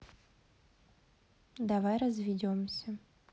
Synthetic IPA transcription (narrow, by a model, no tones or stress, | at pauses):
d̪avajrəzvʲɪdʲomsʲə